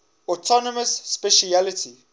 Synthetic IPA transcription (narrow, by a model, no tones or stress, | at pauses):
ɔtʰɔnɔməsːpɛʃialɪtʰi